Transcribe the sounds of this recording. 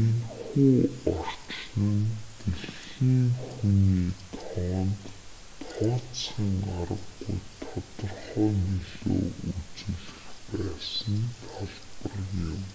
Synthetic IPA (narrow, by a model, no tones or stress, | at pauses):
enxuːɔr̥t͡ɕnə̆nt̪eɮxiːŋxuniːt̪ʰɔːnt̪ʰ | ɔːt͡sχə̆ŋaɾə̆ɡːṵjt̪ʰɔt̪ɞ̆rχɔːniɮo̰ːʔut͡sɘ̆ɮɘ̆xpæːsə̆nt̪ʰaɮpə̆rjɪm